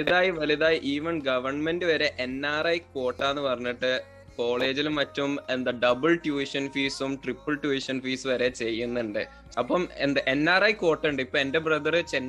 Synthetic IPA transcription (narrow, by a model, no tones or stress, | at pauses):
iðaːjiʋɐliðaːjiʔiːʋɐnɡɐʋɐrɳme̞ndɨʋɐɾe̞ʔenːaːrɐjko̞ːʈːaːenːɨpɐrɐɲːiʈːɨ | ko̞ːɭe̞ːd͡ʑilmɐtːumend̪ɐɖɐbɨɭʈjuːiʂɐnfiːsumʈripːɨɭʈjuiʂɐnfiːsɨʋɐɾe̞t͡ɕe̞jːunːuɳɖɨ | ɐpːɐme̞̰nd̪eʔe̞nːaːrɐjko̞ːʈːeuɳɖɨipːoːe̞nde̞brɐðɐrɨt͡ɕenː